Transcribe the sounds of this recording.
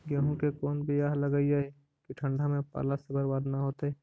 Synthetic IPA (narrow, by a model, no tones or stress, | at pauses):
ɡjaːɦõkekɔːnbʱijaːɦləɡaid͡ʒae | kiʈʰə̃ɳɖʱamẽpa̰ːlasebəɾwaːd̪naɦoːt̪e